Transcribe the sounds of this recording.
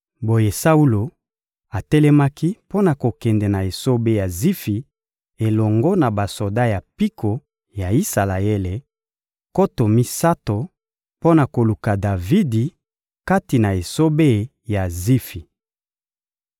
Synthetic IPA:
bo˨je˨sa˦u˦lo˨ | a˨tɛ˦lɛ˦ma˦ki˦po˦na˨ko˨kɛ˨ndɛ˨na˨e˨so˦be˦ja˨zi˦fi˨ | e˨lɔ˨ŋɡo˦na˨ba˨so˨da˦ja˨pi˦kʰo˨ | ja˨i˦sa˨la˨e˦le˨ | ko˦to˨mi˦sa˦to˨ | po˦na˨ko˨lu˨ka˨da˨vi˦di˨ | ka˦ti˨na˨e˨so˦be˦˨ | ja˨zi˦fi˨

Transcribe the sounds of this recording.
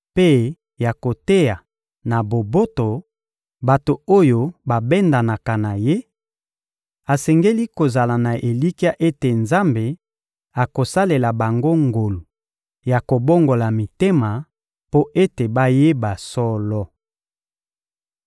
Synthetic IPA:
pe˦ | ja˨ko˨te˦ja˨ | na˨bo˨bo˦to˨ | ba˨to˨o˦jo˨ba˨bɛ˦nda˨na˨ka˨na˨je˦ | a˨sɛ˨ŋɡe˦li˦ko˨za˨la˨na˨ʔe˨li˦ki˦a˦ʔe˦te˨nza˦mbe˨ | a˨ko˨sa˦le˨la˨ba˨ŋɡo˦ŋɡo˨lu˨ | ja˨ko˨bo˦ŋɡo˨la˨mi˨te˦ma˨ | po˦ʔe˦te˨ba˦je˦ba˨sɔ˦lɔ˦

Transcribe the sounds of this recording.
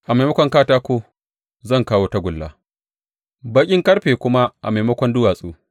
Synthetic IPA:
ʔa˨ma˨mɐ˦kʷɔ˦ŋkaː˦taː˦kʷoː˦ | zɐ˦˨ŋkaː˦woː˦ta˦ɡʷʊ˨lːa̰˨˦ | ba˦kʲʼɪ˦ŋkʼɐ˦ɽɸeː˨kʷʊ˦ma˦ʔa̰˨ma˨mɐ˦kʷɔ˦ndʊ˦waː˨sʼuː˦

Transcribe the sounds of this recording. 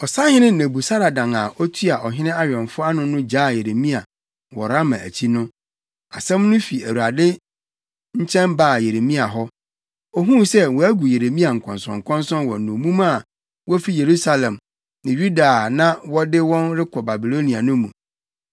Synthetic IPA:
ɔ˨sa˦hɪ̃˦nɪ̃˦nẽ˨bu˨sa˦ɾa˨dã˨ŋa˨ʔɔ˦tʰu˦a˨ʔɔ˨ɦɪ̃˦nɪ̃˦a˦ɥᶣɛ̃˨nfʊ˦a˦nʊ̃˦nʊ̃˦d͡ʑaː˦˨je˨ɾe˨mĩ˦a˨ | wɔ˨ɾa˦mã̰˨æ̰˨t͡ɕʰi˦nʊ̃˦ | a˨sɛ̃˦mnʊ̃˦fi˨æ˨wu˨a˨dɪ˦ | ɲ̩˦t͡ɕʰɛ̃˦nbaː˦˨je˨ɾe˨mĩ˦a˨ɦɔ˦ | ɔ˦ɦũ˦sɛ˦wɔ˨æ˦ɡu˨je˨ɾe˨mĩ˦a˨ŋ̩˨kʰɔ̃˨nsɔ̰̃˨ŋ˨kʰɔ̃˦nsɔ̃˦nwɔ˨nũ˨mũ˦ma˦˨ | wɔ˦fi˦je˨ɾu˦sa˦lɛ̃˨m | nɪ̃˨jɥu˦da˨nã˦wɔ˦dɪ˦wɔ̃˦nɾɪ˦kʰɔ˨ba˨bi˨lo˦nĩ˨a˨nʊ̃˦mṵ̃˨

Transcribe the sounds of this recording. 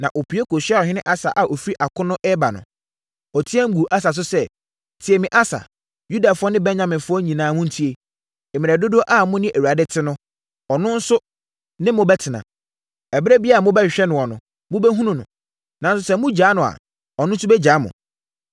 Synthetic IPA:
nã˨ʔo˨pʰi˨˦e˦ko˨ɕᶣi˦a˦˨ɔ˨ɦɪ̃˦nɪ̃˦ʔa˦sa˨ʔa˨o˨fi˦ɾi˦ʔa˨kʊ̃˦nʊ̃˦ʔɛ˦ba˨nʊ̰̃˨ | ɔ˨tʰi˦ɛ˦ŋ̩˦ɡu˨ʔa˦s̬a˨s̬ʊ˦sɛ˦˨ | tʰɪ˨ɛ˨mɪ̃˨ʔa˦sa̰˨ | ju˦da˨fʊ˦ɔ˦nɪ̃˦bɛ˦ɲã˨mɪ̃˨nfʊ˦ɔ˦ɲĩ˨nãː˨˦mʊ̃˦n̩˨tʰi˦e˨ | e˨m̃˨ɛ˨dʊ˦dʊ˦ʔa˦˨mʊ̃˦nɪ̃˦ʔæ˨wu˨a˨dɛ˦tʰɪ˦nʊ̃˦ | ɔ˨nʊ̃˦n̩˦sʊ˦ | nɪ̃˦mʊ̃˨bɛ˦tʰɪ˨nã̰˨ | ɛ˨bɛ˦bi˦a˦˨mʊ̃˦bɛ˦˨ɕᶣɛ˦nʊ̃˨wɔ˨nʊ̃˨ | mʊ̃˦bɛ˦ɦũ˦nũ˦nʊ̰̃˨ | nã˨n˦s̬ʊ˨˦sɛ˦mʊ̃˦d͡ʑaː˨˦nʊ̃˨a̰˨ | ɔ˨nʊ̃˦n̩˦sʊ˦bɛ˦d͡ʑaː˨˦mʊ̰̃˨

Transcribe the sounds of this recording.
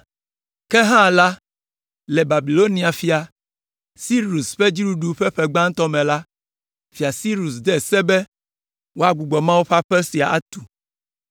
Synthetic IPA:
kɛ˦ɦã˦˨la˦ | lɛ˨ba˨bi˨lo˦nĩ˨a˨fi˨a˨ | si˦ɾu˨sɸɛ˦d͡ʑi˦ɖu˦ɖu˨ɸɛ˦ɸɛ˦ɡ͡bã˦ŋ̩˦t̪ɔ˦mɛ̃˨la˦ | fi˨a˨si˦ɾu˨sd̪ɛ˦˨sɛ˦bɛ˦ | wo˦a˦ɡ͡bu˨ɡ͡bɔ˨mã˦wu˦ɸa˦ɸɛ˦si˨a˨ʔa̰˦t̪u̥˨

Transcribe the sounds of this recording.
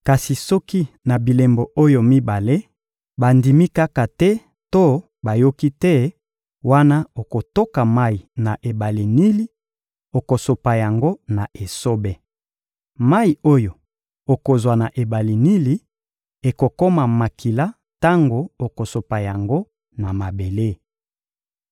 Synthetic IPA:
ka˨si˨sɔ˦ki˦na˨bi˨le˨mbo˨ʔo˦jo˨mi˦ba˨le˦ | ba˨ndi˨mi˦ka˦ka˨tɛ˦ | to˦ | ba˨jo˦ki˦tɛ˦ | wa˦na˦o˨ko˨to˦ka˨ma˦i˨na˨ʔe˨ba˨li˨ni˦li˦ | o˨ko˨so˨pa˨ja˨ŋɡo˦na˨ʔe˨so˦bɛ˨ | ma˦i˨o˦jo˨ | o˨ko˨zwa˨na˨ʔe˨ba˨li˨ni˦li˦ | e˨ko˨ko˦ma˨ma˨kʰi˨la˦ | ta˦ŋɡo˨o˨ko˨so˨pa˨ja˨ŋɡo˦ | na˨ma˨be˨le˦

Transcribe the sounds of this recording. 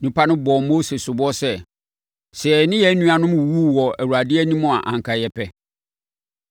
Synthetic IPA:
nũ˨˦pʰa˦nʊ̃˦bɔ˨mo˦se˨sʊ˨bɔ˦sɛ˦ | sɛ˨ɛ˨nɪ̃˦jɛ˦nũ˦a˨nʊ̃˦m̃˨wu˦wɔ˨æ˨wu˨a˨dɪ˦ɛ˦nĩ˦mʊ̃˦˨a̰˨ʔã̰˨ŋ˨kʰa˨jɛ˨pʰɛ˦

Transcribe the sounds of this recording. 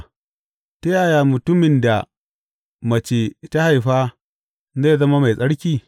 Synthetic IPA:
ta˦jaː˨jaː˨mʊ˨tʊ˦mɪ˨nda˨ | mɐ˨t͡ʃe˨ta˦ha˨jɸaː˦ | ze˦˨zɐ˦ma˦ma˨jsʼɐ˦ɽkʲiː˦˨

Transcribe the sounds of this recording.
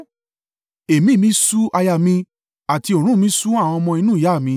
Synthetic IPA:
e˨mĩ˨˦˨mĩ˨˦su˦ʔa˧ja˧˨mĩ˧ | a˨ti˧o˨ɾ̃ũ˦mĩ˦su˦a˦˨w̃ɔ̃˧ɔ˧mɔ̃˧i˧nũ˦ja˦˨mĩ˧˦

